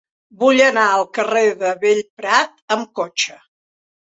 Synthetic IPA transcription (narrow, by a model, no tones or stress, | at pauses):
buʎənaəlˠkəreðəβeʎpɾat̪əmkot͡ʃə